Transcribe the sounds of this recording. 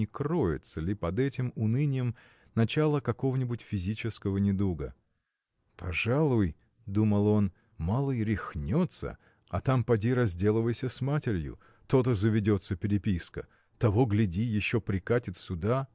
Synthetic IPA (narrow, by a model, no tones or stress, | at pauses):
ɪkɾo̞jɪ̰t̪səlʲɪpɐd̪ɛtʲɪmʊnɨnʲɪjəm | nɐt͡ɕalˠəkɐko̞vənʲɪbutʲfʲɪzʲit͡ɕɪskəvənʲɪd̪uɡə̰ | pʰɐʐalˠʊj | d̪uməlˠo̞n | malˠəɾʲɪxnʲot̪sə̰ | ɐ̰t̪ampɐdʲiɾɐzʲdʲe̞lˠəvəjsʲəsmatʲɪɾʲjʊ̰ | t̪o̞t̪̬əzəvʲɪdʲo̞t̪səpʲɪɾʲɪpʲiskə | t̪ɐvoɡlʲɪdʲijɪɕːo̞pɾʲɪkatʲɪt̪sʲʊd̪a